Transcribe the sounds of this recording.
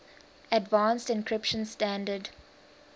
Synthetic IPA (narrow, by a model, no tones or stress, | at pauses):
ədvãːnstɪ̃nkʰɹɪpʃə̃nstæ̃ndəd